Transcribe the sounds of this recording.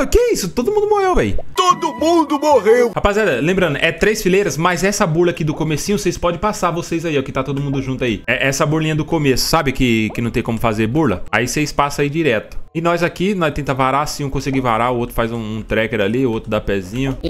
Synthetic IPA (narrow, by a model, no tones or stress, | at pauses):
ʊkeɛisʊt̪od̪ʊmũnd̪ʊmohewvɛjt̪od̪ʊmũd̪ʊmoʁewhapazad̪ɐlẽmbɾɐ̃nʊʔɛt̪ɾejsfilejɾɐsmɐjzɛsɐbuɾlɐkid̪ʊkomesĩɲʊsejspɔd͡ʒɪpasaɾvosejzaiɛkɪt̪at̪od̪ʊmũnd̪ʊʒũnt̪ʊaiɛʔɛsɐbuɾlĩɲɐd̪ʊkomesʊ̥sabɪkɪkɪnɐ̃w̃t̪ẽj̃kõmʊfazeɾbuɾlɐ̰a̰isejspasɐaid͡ʒiɾɛt̪ʊ̥ɪnɔzakinɔjt̪ẽnt̪ɐvaɾasĩũkõsɛɡɪvaɾaʊowt̪ɾʊ̥fajzũũt̪ɾɛkeɾaliowt̪ɾʊd̪apɛzĩɲʊ